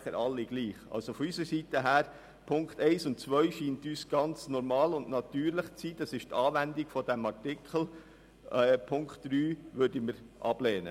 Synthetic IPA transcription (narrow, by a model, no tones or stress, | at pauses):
χəɾɑlːiɡliːχɑ̰lsofɔysəsitəɦæːɾ | pʰʊŋkt̪ɛɪsʊntt͡sʋœʏʃiːntyːsɡ̥ɑnt͡snɔɾmɑːlʊndnɑt̪yːɾlɪχt͡siːd̥ɑsɪʃtɑːʋændiɡfɔdæmɑɾtɪkʰχl̩ | pʰʊŋkχtd̥ɾyːʋøɾdəməɾʔɑ̰b̥lɛːnə̰